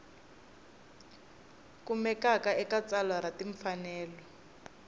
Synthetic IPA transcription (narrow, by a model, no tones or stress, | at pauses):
kumɛkakaɛkat͡salwaɾatiɱfanɛːlɔ